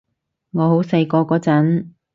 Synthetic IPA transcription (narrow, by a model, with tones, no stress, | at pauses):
ŋɔː˨˧ɦo˨˥wsɐ˧jkɔː˧kɔː˨˥t͡sɐ˨˥n